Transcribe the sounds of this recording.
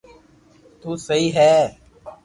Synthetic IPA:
t̪uːsəɦiːɦɛː

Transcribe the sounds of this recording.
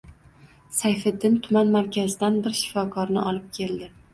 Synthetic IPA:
sajfɪd̪ːɪnt̪ʰʊmanmaɾkʲʰazɪd̪anbɪɾʃɪ̥fɒkʰɒɾnɪʔɒlˠɪp̚kʲʰe̞ld̪ɪ

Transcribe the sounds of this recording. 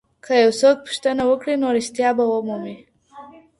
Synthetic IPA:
kʰəjawsok̚pu̥ʃt̪ənawəkɽinoɾist̪jɑbawəmumi

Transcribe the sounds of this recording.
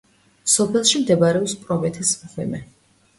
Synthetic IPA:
sɔpʰɛlˠʃimd̪ɛbaɾɛɔpspʼɾɔmɛt̪ʰɛsmχwɛ̰mɛ

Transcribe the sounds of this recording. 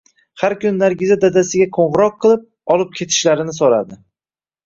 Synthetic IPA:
haɾkʊnɪnaɾɡʲɪzad̪ad̪asɪɡʲaqʰoɴʁɨɾɒq̚ʰːɨlˠɪp̚ | ɒlˠɪp̚kʲʰe̞t̪ʰɪ̥ʃlaɾɪnɪsoɾa̰d̪ɪ

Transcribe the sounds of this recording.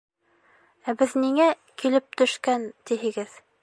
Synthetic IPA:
æbɘðniŋæ | kilɘp̚t̪ɵ̆ʃkænt̪iɦɘ̆ɡɘð

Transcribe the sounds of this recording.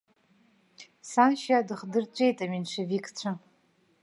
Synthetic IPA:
sanʃadɨχdɨrt͡ɕʷʼe̞jtʼaminʂʷavikʼʰt͡ɕʷʰa

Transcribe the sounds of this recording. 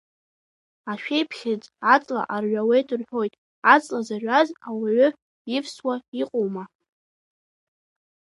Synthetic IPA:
aʃᶣejpʰχʲɪd͡zʼat͡sʼla̰ʔarɥʷawe̞jtʰʼɨrħᶣo̞jtʼ | at͡sʼlazaʕʷᶣazawaʕʏ | ifswaiqʼowma

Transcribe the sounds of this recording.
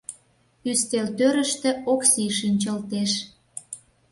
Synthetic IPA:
yst̪elt̪øɾə̆ʃt̪ĕoksiʃinʲt͡ɕəlt̪eʃ

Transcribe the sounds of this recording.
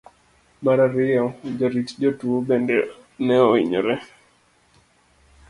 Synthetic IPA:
maɾaɾɪɔd͡ʒaɾit͡ʃd͡ʒɔtuobɛndɛ | nɛɔḭɲɔ̰ɾɛ

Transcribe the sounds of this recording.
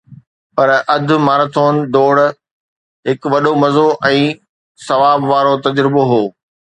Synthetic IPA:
pɐɾʔɐd̪ʱʊ̆maːɾt̪ʰoːnd̪oːɽ | ɦɪkʋɐɗomɐzoʔɛ̃ː | sɐʋaːbʋaːɾot̪ɐd͡ʑɾɪboɦoː

